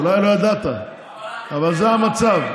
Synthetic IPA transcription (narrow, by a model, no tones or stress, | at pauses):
lajlo̞jad̪at̪a̰ | avalzeɦamat͡sav